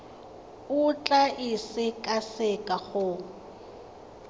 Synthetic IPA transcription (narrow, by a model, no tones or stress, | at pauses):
ʊt͡ɬʼaʔɪsɪkʼasɪkʼaχʊ